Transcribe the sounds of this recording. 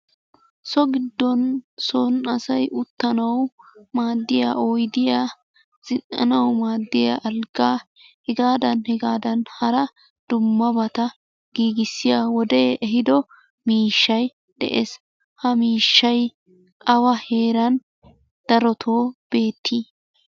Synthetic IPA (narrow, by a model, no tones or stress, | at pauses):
sɔɡɪd̪ːɔnsonɐsɐjʊt̪ːɐnɐwmaːd̪ːɪja̰ːɔjd̪ɪjaː | z̥ɪnɐ̰nɐwmaːd̪ːɪja̰ʔɐlɡaː | hɛɡaːd̪ɐnhɛɡaːd̪ɐnhɐɾɐ | d̪̥ʊmːɐbɐt̪ɐ | ɡ̥iːɡɪsːɪjaːwɔd̪eːɛɦɪd̪ɔ | miːʃːɐj | d̪̥ɛ̰ʔes | hɐmiːʃːɐj | ʔɐwɐhe̞ːɾɐn | d̪̥ɐɾɔt̪ʰoːb̥e̞ːt̪ʰːiː